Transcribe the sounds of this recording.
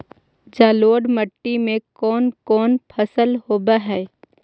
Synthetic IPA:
d͡ʒaːloːɖməʈːimẽkɔːnkɔːnpʰəsəlhoːbaɦɛː

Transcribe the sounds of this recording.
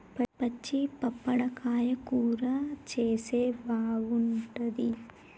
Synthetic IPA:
pɐpɐt͡ʃːipɐpːɐɽɐkaːjɐkuːɾɐt͡ʃeːseːbaːɡuɳʈɐd̪i

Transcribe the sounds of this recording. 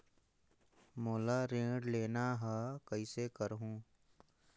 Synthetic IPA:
moːlaɾẽːɖleːnaɦɛkəisekəɾɦũː

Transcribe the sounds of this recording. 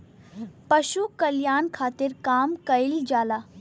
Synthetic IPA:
pɐʃukɐljaːnkʰaːt̪ɪɾkaːmkɐɪld͡ʒaːlaː

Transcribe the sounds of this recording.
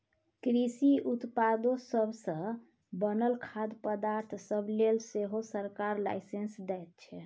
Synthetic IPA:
kɾisiut̪pad̪osəbʱsə̃ | bənəlkʰad̪pəd̪aɾt̪ʰsəblelseɦosəɾkaɾla̰jsensd̪ɛjt̪̚t͡ʃʰɛ

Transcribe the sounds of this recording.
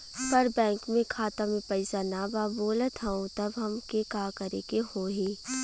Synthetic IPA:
pɐɾbɛ̃ːŋkmẽkʰaːt̪ãmẽpɐɪsanabaːboːlət̪ɦɛũt̪ɐbɦɐmkekaːkɐɾekehoːɦiː

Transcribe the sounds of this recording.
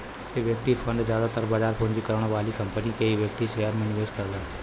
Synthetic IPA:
k̪eʋjək̚t̪ipʰə̃nɖ̪zjaːd̪at̪əɾbaːd͡ʒaːɾpʰʊnd͡ʒikəɾɽ̃ʋaːlikɐmpənikeiʋjək̚t̪iʃeːəɾmẽnɪʋeːskɐɾɡ̪aː

